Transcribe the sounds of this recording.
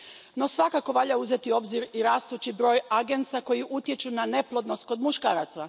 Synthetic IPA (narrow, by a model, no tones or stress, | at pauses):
no̞sʋakako̞ʋaʎauzet̪io̞bziɾiɾaːst̪ut͡ɕibɾo̞ːjaɡe̞nt̪sako̞jiʔut̪je̞t͡ʃunane̞plˠo̞d̪no̞st̪̚ko̞d̪muʃkaːɾat̪sa